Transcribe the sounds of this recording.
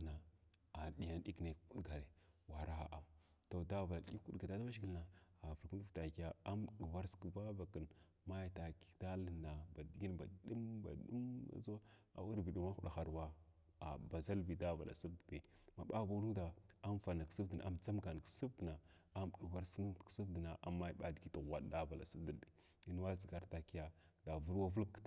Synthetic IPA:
na˨a˨ɗi˨ja˦n˦ɗi˦kne˨kku˦ɗɡa˨ɾe˨wa˨ɾa˦˨ʔa˨m | to˨da˦va˨la˨ɗi˦ku˦ɡa˨a˦ta˦ba˦ʃɡi˦lna˨a˨və˨ɾku˦vta˨ka˦a˦m˦˨ɗu˨wa˦ɾski˦ba˦va˨kə˨n | ma˦ja˨ta˨ki̥˨da˦lə˨nːa˨ba˨di˨ɡi˦nba̰˨ɗu˦mba̰˨ɗu˦ma̰˨˦za˦a̰˨wu˦ɾbi˨ɗu˦ma˦xu˦ɗa˨xa˨ɾwa˦ | a̰˨ba˨za˦lbi˨da˦va̰˨lʔa̰˨su˦bdbe˨ | ma˨ɓa˦ba˨˦lu˦da˨a˦m˦fa˨na˨ksu˦vdə˨n˨a̰˨mt͡sa˦mka˨n˨ksu˦fdna˨ | a˦m˨ɗu˨wa˦ɾsn˦˨ksu˦vdə˨na˨ʔa˨mːa˦jɓa˦dɡi˦ti˨ɣwa˨dda˦va˨la˨su˦di˨i˨ | i˦n˦wa˦zi˨ɡa˦ɾta˨ki˦ja˦da˨vu˦lwa˦vu˦lk

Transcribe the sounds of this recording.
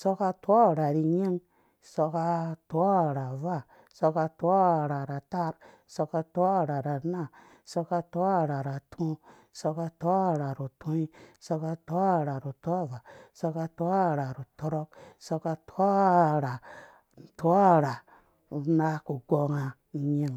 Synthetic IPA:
so˧ka˧to˦˨ɾa˨ɾi˨ɲe˦ŋ | so˧ka˧to˦˨ɾa˨va˦˨ | so˧ka˧to˦˨ɾa˨ɾa˨ta˦ɾ | so˧ka˧ta˦˨ɾa˨ɾa˨na˦˨ | so˧ka˧to˦a˦˨ɾa˨ɾa˨tʰũ˦ | so˧ka˧to˦˨ɾa˨ɾu˨tʰũ˦i˦so˧ka˧to˦a˦˨ɾa˨ɾu˨to˦˨va˨so˧ka˧to˦˨ɾa˨ɾu˨to˧ɾo˦k̚so˧ka˧tʰo˦˨ɾa˨ | n̩˨to˦a˦˨ɾa˨ | u˨na˦ku˨ɡo˧ŋa˧˨˦ | ɲe˦ŋ

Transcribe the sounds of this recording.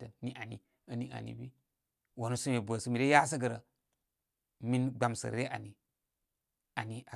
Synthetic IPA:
ə˨ni˦ʔa˨nḭ˨ | ə˦ni˦ʔa̰˨nḭ˨bi˦ | wa˨nu˦su˦me˨bʷə˨sə˦mi˨ɾe˦ja˦s̬ə˦ɡə˨ɾə˨ | mi˦nɡ͡ba˨msə̰˨ɾe˦ʔa̰˨ni˨ | a˨ni˨a˨

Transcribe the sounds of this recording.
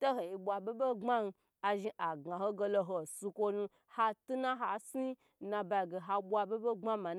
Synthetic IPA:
to˦ho˨i˨bʷa˨be˦be˦ŋ͡ma˦n˧ | a˨ʒi˧ʔa˨ɡa˨ho˦ɡe˧lo˧ɦo˨su˧kʷo˦nu˧ | ha˧tu˦na˦ɦa˨si˦ | nã˧ba˧i˨ɡe˨ɦa˧bʷa˧be˦be˦ŋ͡ma˦ma˨n

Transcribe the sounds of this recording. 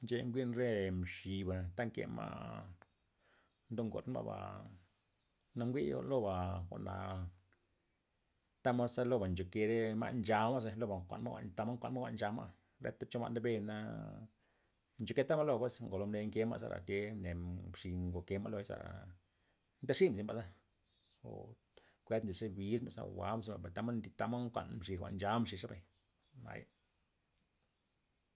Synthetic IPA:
nt͡ʃe˧ŋɡʷi˦nɾe˦mʃi˨ba˨t̪a˦ŋkḛ˨ma̰˦ | nd̪o˦ŋɡo̰˨t̪ma̰˦ba̰˨ | na˧ŋɡʷḭ˦lo˦ba˨kʷa˨ʔna̰˨ | t̪a˦ma˦sa˦lo˦ba˨nt͡ʃo˨ke˧ɾe˦ma̰˧nd͡ʒa˧ma˦z̬e˧lo˦ba˨ŋkʷa̰˨nma˦wa̰˨nt̪a˧ma˦ŋkʷa˨n˦ma˦ɡʷa˨ʔnd͡ʒa˧ma̰˦ | ɾḛ˦t̪a˦t͡ʃo˦ma̰˦˧nd̪e˦be˧˨na˧ | nt͡ʃo˧ke˧t̪a˦ma˦lo˦pwe˦sŋɡo˨lo˧˦mne˧ŋke˦ma̰˦˧sa̰˧ɾa̰˨t̪ʲe˧ne˨ʂi˧ŋɡo˨ke˧ma˦lo˧za̰˧˨ɾa̰˨ | nt̪a˦ʂi˦msi˧˨mba˨za˦ | o̰˨ | kʷe˧˦t̪mzi˨ʂe˧bi˧sma˨za̰˨wa̰˨˦ms̬i˧˦a˨ba˨t̪a˦ma˦nd̪i˧t̪a˧ma˦ŋkʷa̰˧nmʂi˧xʷa̰˨ʔnd͡ʒa˦mʂi˧ʂa˦ba˨j | ma̰˨j

